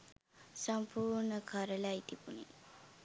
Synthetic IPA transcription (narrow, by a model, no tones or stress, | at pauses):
sɐmpʰuːɾnəkʰaɾɐlait̪ibuni